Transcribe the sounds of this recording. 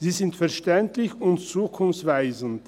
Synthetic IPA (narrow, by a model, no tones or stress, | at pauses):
z̥iːzɪntfɛɐʃtɛntlɪçʊntt͡suːkʰʊmt͡sv̥aɪzn̩t